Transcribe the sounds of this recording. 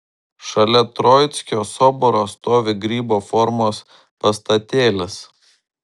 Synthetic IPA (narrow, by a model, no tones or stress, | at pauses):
ʃɐlʲɛt̪ɾɔjt̪sʲkʲoːsɔːbɔɾoːst̪oːʋʲɪɡɾʲiːboːfɔɾmoːs | pɐst̪ɐt̪ʲeːlʲɪs